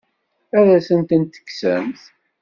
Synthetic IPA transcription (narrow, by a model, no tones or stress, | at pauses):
æðæsənt̪ənt̪ːə̥kːsə̰mθ